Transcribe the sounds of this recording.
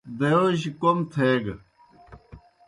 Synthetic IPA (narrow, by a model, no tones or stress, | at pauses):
d̪ejoɕikomt̪ʰeːɡ